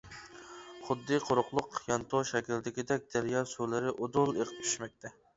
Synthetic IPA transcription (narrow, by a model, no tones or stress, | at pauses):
χʊd̪ːɨqʰoɾʊqlˠʊqjɑnt̪ʰoʃɛkʲild̪ɪkʲid̪ɛk̚ʲd̪̥æɾjɑːsulɪɾɪʔod̪ʊlˠeqʰə̥p̚t̪ʰyʃmɛk̚ʲt̪ʰɛ